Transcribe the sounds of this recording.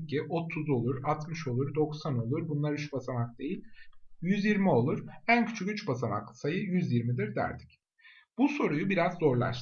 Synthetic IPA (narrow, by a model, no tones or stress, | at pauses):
cːiʔo̞t̪ʰuzo̞lˠuɾat̪mɯʃo̞lˠuɾd̪o̞ksano̞lˠuɾbunlˠaɾyt͡ʃbasamak̚d̪e̞jilʲjyzjiɾmio̞lˠuɾ̥æncʰy̥t͡ʃʰycyt͡ʃbasama̰k̪sajɯjyzjiɾmid̪iɾd̪æ̰ɾd̪ic | b̥uso̞ɾujubiɾazːo̞ɾlˠa̰ʃ